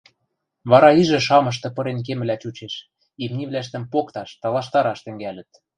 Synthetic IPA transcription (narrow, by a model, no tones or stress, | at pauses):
βɑɾɑiʒɘ̆ʃ̬ɑmɤ̆ʃ̬t̪ɤ̆pɤ̆ɾenk̬emɘ̆læt͡ɕut͡ɕeʃ | imnʲiβlæʃ̬t̪ə̆mpokt̪ɑʃt̪ɑlˠɑʃt̪ɑɾɑʃt̪ɘ̆ŋɡælə̆t̪̚